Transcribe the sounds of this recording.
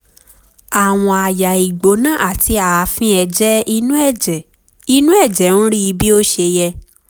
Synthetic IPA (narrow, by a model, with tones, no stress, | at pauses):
a˨w̃ɔ̃˧a˨ja˨i˨ɡ͡bo˨˦nã˦˨ʔa˦˨ti˨˧a˨˧fĩ˦ɛ˧d͡ʒɛ˦i˧˦nũ˦ɛ˦˨d͡ʒɛ˨ | i˧nũ˦ɛ˦˨d͡ʒɛ˨˦ñ̩˦ɾi˦i˧bi˦o˦ʃe˧jɛ˧